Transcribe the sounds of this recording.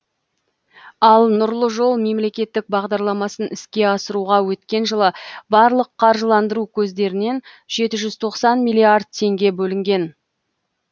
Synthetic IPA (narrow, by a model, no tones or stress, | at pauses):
ɑlˠnʊɾlˠəʒo̞lˠme̞mle̞kʲe̞t̪ːɪk̚bɑʁd̪ɑɾlˠɑmɑsənɪskʲe̞ɑsəɾuʁɑwɵt̪kʲe̞nʒəlˠəbɑɾlˠəqʰːɑɾʒəlˠɑnd̪əɾukʲʰɵzd̪e̞ɾɪne̞n | ʒe̞t̪ɪʒʏz̥t̪ʰo̞qsɑnmijlʲiard̪̚t̪ʰe̞ŋɡʲe̞bɵlɪŋɡʲe̞n